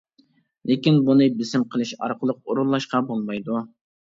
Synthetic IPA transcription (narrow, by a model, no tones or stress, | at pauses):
lekʲinbunɨbɪsɪmqʰəlˠɨʃɑ̰ɾqʰəlˠəq̚oɾunlˠɑʃqɑbolˠmɑjd̪u